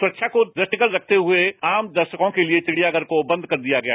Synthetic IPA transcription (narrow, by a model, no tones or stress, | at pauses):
sʊɾətːʃʰakod̪ɐʈɪkəlɾɐk̚ʰt̪eɦʊeaːmd̪ɐɾʃəkõkeliet͡ʃɪɽ̤ijaɡəɾkobɐ̃nd̪̚ʱkɐɾd̪ijaɡɐja̰